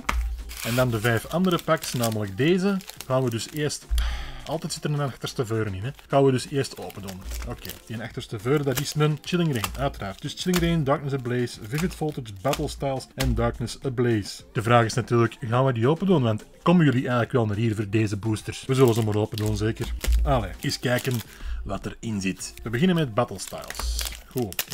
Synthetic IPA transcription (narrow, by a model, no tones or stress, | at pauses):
ɛndɑndəvɛːfɑndəɾəpaksnaːmələk̚deːzəɣaːnʋədʏseːrstɑ̰lˠtɛːtsɪtərnənaxtərstəvøːɾənɪnɛɣaːnʋədʏseːrsto̰ːpənduːnəokḛːdiənaxtərstəvøːɾədɑdɪsnənt͡ʃɪlɪŋreːnœːtərɾaːrt̚d̥ʏst͡ʃɪlɪŋreːndɑːk̚nəs̬əbleːsvɪvɪtfɔlˠtəsbætəlˠstajlˠsɛndɑːɹknəsəbleːsd̥əvraːɣɪsnatyːrləkɣaːnʋədioːpənduːnʋantkɔmənjʏliʔɛːɣələkʋɛlˠnaːɾɦiːrvoːrdeːzəbuːstərsʋəzɵlənzomaɾoːpənduːnzeːkəraleːɪskɛːkənʋatəɾɪnzɪtʋəbəɣɪnənmɛt̚bætəlˠsta̰jlˠsɣuː